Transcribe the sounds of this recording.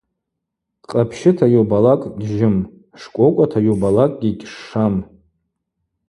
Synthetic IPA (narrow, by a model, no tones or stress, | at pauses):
qʼapʰʃɪtʰajobalakʼɡʒɪm | ʂkʷʼokʷʼatʰajobalakʼɡʲikʲʂːam